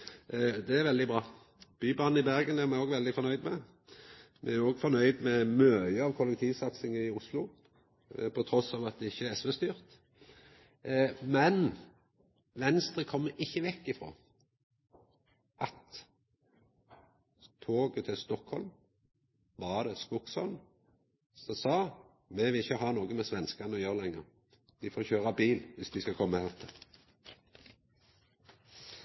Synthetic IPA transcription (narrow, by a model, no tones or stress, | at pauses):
d̪ɛæʁʋɛld̪ɪbʁɑː | b̥yːbɑːnəɪbæʁɡənæʁmɛoːɡʋɛld̪ɪfɔʁnœʏd̪mɛ | mɛ̰æoːɡfɔʁnœʏd̪mɛmøːəɑʋkʰɔlɛk̚t̪ʰiːʋsɑt̪sɪŋəɪʊslʊ | pʰɔt̪ʰɾɔsɑːʋɑt̪̚d̪ɛɪçːəɛɛsʋɛst̪yːʁt̪ | mɛn | ʋɛnst̪ʁəkʰɔmːəʔɪçːəʋɛkːɪfʁo̰ː | ʔɑt̪ | t̪ʰoːɡət̪ʰɪlst̪ɔkhɔ̰lm | bɑd̪ɛskʊksɔ̰lm | sɔsɑː | mɛʋɪlɪçːəɦɑːnoːɡəmɛsʋɛnskɑnəɔjøːʁəlɛŋːəʁ | d̪̥ɪfoːçøːʁɑbiːlʋɪsd̪ɪskɑkʰɔmːəhɛʁt̪ʰɪ